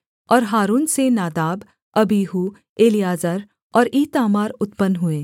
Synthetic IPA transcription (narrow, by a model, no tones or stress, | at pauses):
ɔːɾɦaːɾuːnsenaːd̪aːb | ɐbiːɦu | eːlijaːzaːɾ | ɔːɾiːt̪aːmaːɾʊt̪pənɦʊeː